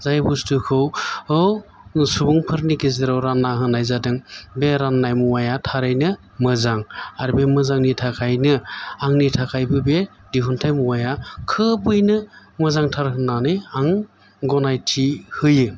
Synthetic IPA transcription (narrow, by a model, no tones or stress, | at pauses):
zajbustɯkʰɯwɯw | subuŋpʰɯɾnikezɯɾawɾanːaɦɯnajzadɯŋbeɾanːajmuwajatʰaɾɯjnɯ | mɯzaŋaɾbemɯzaŋnitʰakʰajnɯaŋnitʰakʰajbɯbe | diɦuntʰajmuwajakʰɯbɯjnɯmɯzaŋtʰaɾɦɯnanɯjaŋ | ɡɔnajtʰihɯjɯ